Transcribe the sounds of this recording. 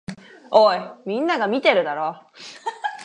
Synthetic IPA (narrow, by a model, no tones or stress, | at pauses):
oːimʲĩnːaɡamʲit̪e̞ɾɯ̟d̪aɾoː